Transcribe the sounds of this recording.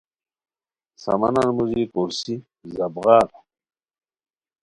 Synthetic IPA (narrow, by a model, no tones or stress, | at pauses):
sɐ̰mɐnanmuzikuɾsi | zɐbɣaːɾ